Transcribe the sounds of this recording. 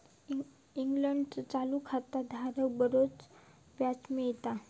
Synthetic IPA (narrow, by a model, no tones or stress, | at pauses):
iŋɡləɳɖt͡sət͡salukʰat̪ad̪ʱaɾəwbəɾot͡s | ʋjat͡smejt̪a